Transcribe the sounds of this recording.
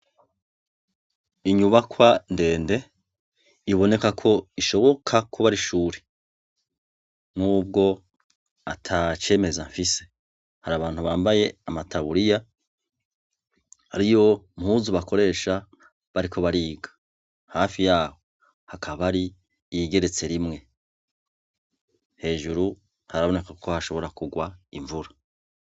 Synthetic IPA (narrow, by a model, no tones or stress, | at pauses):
iɲuβakwande̞ːnde̞ | iβo̞ne̞kakʰo̞iʃo̞βo̞kʰakʰuβaɾiʃuːɾe | nuːb̚ɡo̞ | atʰat͡ʃe̞ːme̞zaɱfise̞ | haɾaːβaːn̥huβaːmbaje̞amatʰaβuɾija | haɾijo̞mhuːzuβako̞ɾe̞ːʃa | βaɾikʰo̞βaɾiːɡḁ | haːfijaːho̞ | hakʰaβaɾi | iɡe̞ɾe̞t͡se̞ɾimŋe̞ | he̞ːʒuɾu | haɾaβo̞ne̞kakʰo̞haʃo̞βo̞ɾakuɡwaiɱvuɾa